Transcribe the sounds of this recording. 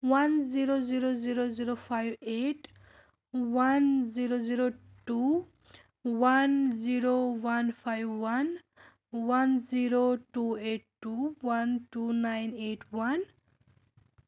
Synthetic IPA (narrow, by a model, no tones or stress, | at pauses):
wanziɾoziɾoziɾoziɾopʰajbeʈ | wanziɾoziɾo | ʈu | wanziɾowanpʰajbwan | wanziɾoʈueʈ̚ʈːuwanʈunajneʈʰwan